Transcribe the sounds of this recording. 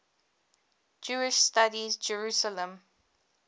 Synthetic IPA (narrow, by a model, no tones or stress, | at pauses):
d͡ʒuːɪʃstadizd͡ʒəɹuːsələ̃m